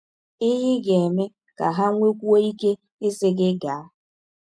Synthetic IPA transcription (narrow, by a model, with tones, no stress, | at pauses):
ɪ˦ɦɪ˦ɡe˨e˨me˦ | ka˨ɦa˦ŋʷe˦kʷu˦o˦i˦ke˦ | ɪ˦sɪ˦ɡɪ˦ɡa˨a˦